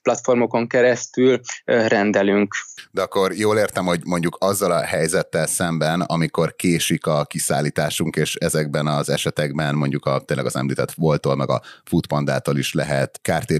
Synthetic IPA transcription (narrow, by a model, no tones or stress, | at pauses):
plɒt̪fo̞rmo̞ko̞ŋkɛɾɛst̪ylrɛnd̪ɛlyŋkd̪ɛɒkːo̞rjoːleːrt̪ɛmho̞ɟmo̞ɲɟukɒzːɒlɒhɛjzɛt̪ːɛlsɛmbɛnɒ̰miko̞rkeːʃikɒkisa̰ːlːiːt̪aːʃuŋkeːʃɛzɛɡ̚bɛnɒzɛʃɛt̪ɛɡbɛnmo̞ɲɟukɒt̪eːnlɛ̰ɡɒzɛ̰mliːt̪ɛt̪ʋolt̪olmɛɡɒ̰fut̪pɒnd̪a̰ːt̪oliʃlɛɦɛt̪kaːrt̪eː